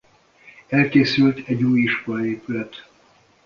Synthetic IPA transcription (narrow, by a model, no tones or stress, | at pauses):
ɛlkeːsylt̪ʰɛɟuːjiʃkolɒeːpylɛt̪